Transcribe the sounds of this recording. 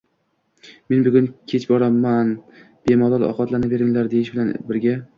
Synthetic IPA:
me̞nbʊɡʲʊnkʲʰe̞t͡ʃbɒɾamːan | b̥e̞mɒlˠɒlɒ̰qɒt̪lanave̞ɾɪŋlaɾd̪e̞jɪʃbɪlanbɪɾɡʲa

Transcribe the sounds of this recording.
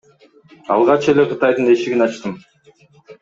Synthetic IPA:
ɑ̰lˠʁɑt͡ʃe̞le̞qʰɯt̪ɑjd̪ɯne̞ʃiɡinɑt͡ʃt̪ɯm

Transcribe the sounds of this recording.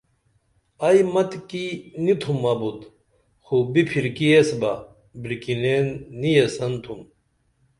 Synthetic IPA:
ɐjmɐt̪kinit̪ʰumːaːbut̪ | xubipʰiɾkiesbɐ | bɾikilenːijesɐnt̪ʰum

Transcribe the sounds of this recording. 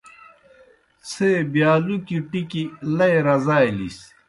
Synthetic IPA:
t͡sʰebjaːlukiʈikilɐeɾɐzaːjlḭs

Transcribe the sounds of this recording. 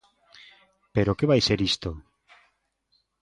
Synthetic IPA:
peɾokeβajseɾist̪o

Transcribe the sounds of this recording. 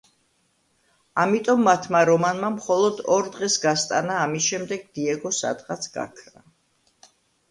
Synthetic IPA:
amit̪ʼɔmːat̪ʰmaɾɔmanmamχɔlˠɔd̪ɔɾd̪ʁɛsɡast̪ʼanaːmisʃɛmd̪ɛɡ̚d̪iɛɡɔsa̰d̪ʁat̪sʰɡa̰kʰɾa

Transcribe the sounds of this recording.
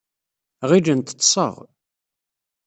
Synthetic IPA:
ʁid͡ʒənt̪ə̥t̪ːsˤə̰ʁ

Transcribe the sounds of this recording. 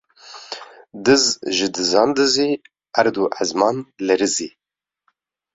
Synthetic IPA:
d̪ɨzʒɨd̪ɨzɑːnd̪ɨziː | ʔæɾd̪uʔazmɑːnlɛɾɨziː

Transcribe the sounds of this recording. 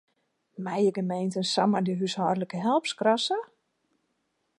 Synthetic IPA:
mɛjəɡəmejntənsamədəɦyshɔːrdləkəɦɛlˠpskrasə

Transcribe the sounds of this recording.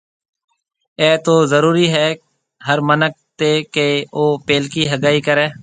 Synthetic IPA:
ɛːt̪oːzəɾuːɾiːɦɛː | ɦəɾmənək̚t̪eːkeːoːpeːlkiːɦəɡaːiːkəɾeː

